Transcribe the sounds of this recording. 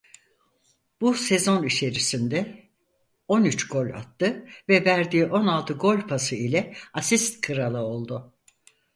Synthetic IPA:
b̥use̞zo̞nit͡ʃʰe̞ɾisind̪ɛ | o̞nyt͡ʃɡ̥o̞lʲa̰t̪ːɯvɛvæɾd̪iːʔo̞nalˠt̪ʰɯɡo̞lʲpʰasɯilʲɛasist̪kʰɯɾalˠɯo̞lˠd̪ʊ

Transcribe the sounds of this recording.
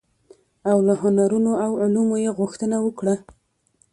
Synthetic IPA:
awlaɦʊnaɾunoawʕʊlumojeɣʊxt̪ənawəkɽa

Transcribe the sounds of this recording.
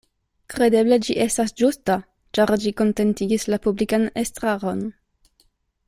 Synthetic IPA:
kɾe̞de̞ble̞d͡ʒiʔe̞stasd͡ʒusta | t͡ʃaɾd͡ʒiko̞nte̞ntiɡislapublikanestɾaɾo̞n

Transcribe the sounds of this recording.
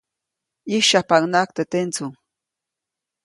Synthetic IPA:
iʃapaŋnakt̪et̪ent͡sʊŋ

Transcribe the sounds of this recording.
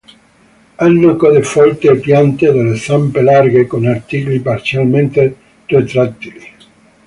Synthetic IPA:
anːokɔðefɔlt̪eːpjant̪eðelesampelarɡekonart̪iklipaɾsjalment̪e | ret̪ɾat̪ːili

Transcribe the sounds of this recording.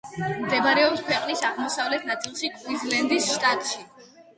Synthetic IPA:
md̪ɛbaɾɛɔpskʰwɛqʼnisaʁmɔsavlɛt̪ʰnat̪sʼilˠʃikʼwizlɛnd̪isʃt̪ʼat̪ʼʃi

